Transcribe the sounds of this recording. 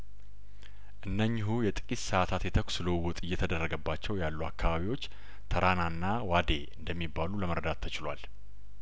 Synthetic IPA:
ʔɨnːəɲːɪɦujɛt̪ʼɨ̥kʼissəʔat̪ʰat̪jɛt̪ʰəkʷsɨləwːɔt̪ʼɨjːɛt̪ʰəd̪ərːəɡəbːat͡ʃːɛwjalːua̰kːaβaβiwo̞t͡ʃː | t̪ʰəɾananːawad̪e̞ɨnd̪əmːibːaluləməɾəd̪at̪ʰːət͡ʃɪlwal

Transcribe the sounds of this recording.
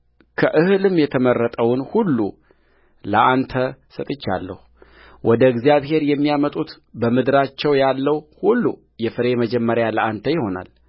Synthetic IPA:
kʰəʔɨhɨlɨmjɛt̪ʰəmərːət̪ʼəwnhulːṵ | ləʔant̪ʰəsət̪ʼɨt͡ʃːa̰lːə̰hu | wʔɔd̪əɡzijaβhe̞ɾjɛmːijamət̪ʼut̪ | bəmɨd̪ɨɾat͡ʃːɛwjalːəhhulːu | jɛfɨɾeməd͡ʒɛmːəɾjaləʔant̪ʰəjɪho̞na̰l

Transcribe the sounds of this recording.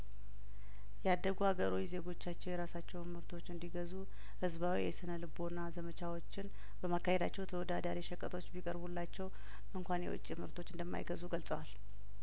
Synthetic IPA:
jɛad̪ːəɡuhaɡəɾo̞jze̞ɡo̞t͡ʃːat͡ʃːɛwjɛɾasat͡ʃːɛwmɨɾt̪ʰo̞t͡ʃːɨnd̪iɡəzu | hɨzbawijɛsɨnəlɨbo̞nːazəmət͡ʃawo̞t͡ʃːɪn | bəmakːahed̪at͡ʃːɛwt̪ʰəwɔd̪ad̪aɾiʃɛkʼːət̪ʰʼo̞t͡ʃːbikʼəɾbulːat͡ʃːɛw | ʔɨŋkʷanjɛ̰wʊ̰t͡ʃʼːimɨɾt̪ʰo̞t͡ʃːɨnd̪əmːa̰jɡəzuɡəlsʼəwal

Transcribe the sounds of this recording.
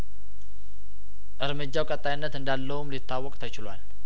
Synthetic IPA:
ʔɨɾmɨd͡ʒawkʼət̪ʼːajinːət̪ɨndalːəumlit̪ʰːawəkʼt̪ʰət͡ʃɪlua̰n

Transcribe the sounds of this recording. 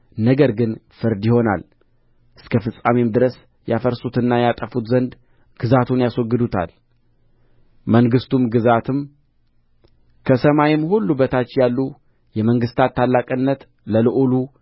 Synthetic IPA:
nəɡəɾɡɨnfɨɾd̪jɪho̞na̰l | ʔɨskʰəfɨsʼamemd̪ɨɾəs | jafəɾsut̪ɨnːajat̪ʼəfut̪zənd̪ | ɡ̥ɨzat̪ʰunjaswɔɡːɨd̪ut̪ʰa̰l | məŋɡɨst̪ʰumɡɨzat̪ʰɨm | kʰəsəmajɪmhulːubət̪ʰat͡ʃːjalːu | jɛməŋɡɨst̪ʰat̪ʰːalːakʼɨnːət̪ | ləlɨʔulu

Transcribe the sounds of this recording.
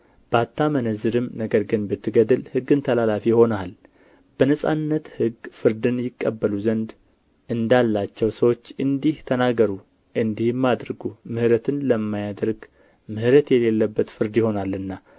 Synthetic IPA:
b̥əat̪ːamənəzɨɾɨmnəɡəɾɡɨnbɨt̪ʰːɨɡəd̪ɨlhɨɡːɨnt̪ʰəlalafijho̞nal | b̥ənəsʼa̰nːət̪hɨɡfɨɾd̪ɨnjɪkʼːəbːəluzənd̪ | ʔɨnd̪alːat͡ʃːɛwsəwo̞t͡ʃːɨnd̪iht̪ʰənaɡəɾu | ʔɨnd̪ihmːad̪ɾɨɡumɨhɾət̪ʰɨnləmːajad̪ɾɡ | mɨhɾət̪jɛle̞lːəbːət̪fɨɾd̪jɪho̞nalːɨnːa

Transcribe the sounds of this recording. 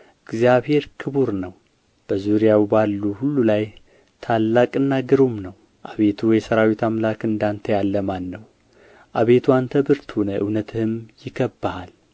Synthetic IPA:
ʔɨɡzjaβhe̞ɾkʰɨβuɾnəw | b̥əzuɾijawbalːuhulːulaj | t̪ʰalːakʼɨnːaɡɨɾomnəw | ʔaβe̞t̪ʰuwjɛsəɾawit̪ʰamlakɨnd̪ant̪ʰəjalːəmanːəw | ʔaβe̞t̪ʰuant̪ʰəbɨɾt̪honəʔɨwnət̪ʰɨhɨmjɪɡəbːahal

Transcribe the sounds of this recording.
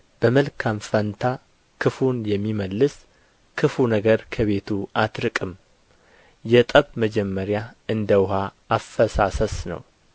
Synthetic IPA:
b̥əməlkʰamfənt̪ʰa | kʰɨfunjɛmːiməlːɨs | kʰɨfunəɡəɾkʰəβe̞t̪ʰuʔat̪ɾɨkʼɨm | jɛt̪ʼəβməd͡ʒɛmːəɾjaɨnd̪əwɦaː | fːəsasəsnə̰w

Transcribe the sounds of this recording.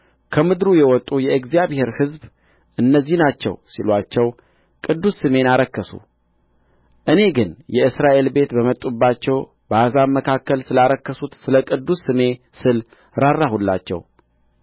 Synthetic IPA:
kʰəmɨd̪ɾujɛwɔt̪ʼːujɛɡzijaβhe̞ɾhɨzb | ʔɨnːəzːihnat͡ʃːɛ̰wsḭlwat͡ʃːɛw | kʼɨd̪ːusːɨme̞naɾəkːəsṵ | ʔɨne̞ɡɨnjɛɨsɾaʔe̞lbe̞t̪bəmət̪ʼubːat͡ʃːɛw | bazaməkʰakːəlsɨlaɾəkːəsut̪sɨləkʼɨd̪ːusːɨme̞ | sɨl | ɾarːahulːa̰t͡ʃːɛ̰w

